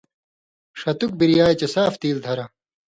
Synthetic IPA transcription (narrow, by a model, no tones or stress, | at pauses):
ʂɐt̪uk̚biɾijaːjet͡ɕesaːft̪iːld̪ʱɐɾɐ